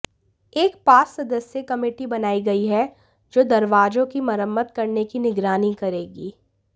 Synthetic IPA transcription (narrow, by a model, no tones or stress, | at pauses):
eːkpaːɾsɐd̪əsjekɐmeːʈibɐnaːiɡɐiɦɛ | d͡ʒoːd̪ɐɾʋaːd͡ʒõkimɐɾəmːət̪kɐɾnekinɪɡɾaːnikɐɾeːɡiː